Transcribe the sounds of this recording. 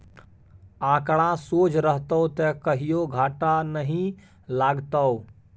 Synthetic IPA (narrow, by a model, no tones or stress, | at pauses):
ãːkɽ̃ãsoːt͡ʃɾəɦt̪əot̪ɛkəɦijoɡʱaːʈanəɦĩ | laːɡt̪əo